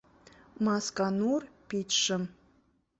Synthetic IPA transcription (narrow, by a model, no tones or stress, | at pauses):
mɑskanurpit̪ʂəm